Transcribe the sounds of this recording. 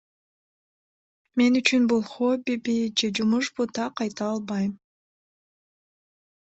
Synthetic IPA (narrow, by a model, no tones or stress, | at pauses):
me̞nyt͡ʃynbulˠχobibid͡ʒe̞d͡ʒumuʃbut̪ɑqɑjt̪ɑɑlˠbɑjm